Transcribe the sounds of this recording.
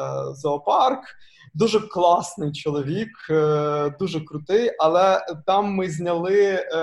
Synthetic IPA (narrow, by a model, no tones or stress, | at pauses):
zɐɔpɑrk | d̪uʒɛklˠɑsnɪjt͡ʃɔlˠɔʋʲik | d̪uʒɛkɾʊt̪ɪjʔɐlˠɛt̪ɑmːɪzʲnʲɐlˠɪ